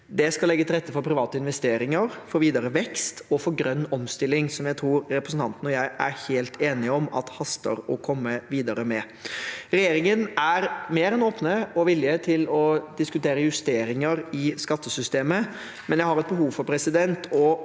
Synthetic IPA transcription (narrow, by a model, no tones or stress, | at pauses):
d̪ɛskɑlɛɡːət̪ʰɪlɾɛt̪ːəfɔɾpʰɾɪʋɑːt̪əɪnʋɛst̪eːɾɪŋəɾfɔɾʋiːd̪ɑɾəʋɛkst̪ɔfɔɾɡɾœnːɔmst̪ɪlːɪŋsɔmjæɪt̪ʰɾuːɾɾɛpɾəsn̩t̪ɑnt̪ənɔjæɪʔæ̰ɾheːlt̪ʰeːnɪɔmɑ̰t̪hɑst̪ə̰ɾɔkʰɔmːəʋiːd̪ɑɾəmɛ | ɾɛjeːɾɪŋənæɾmeːɾɛnoːpnəɔʋɪlːɪət̪ʰɪlɔd̪ɪskʉt̪eːɾəjʉst̪eːɾɪŋəɾɪskɑt̪ːəsʏst̪eːmə | mɛnjæɪhɑɾɛt̪̚bəɦuːʋfɔɾpʰɾɛsɪd̪ɛnt̪ʰɔ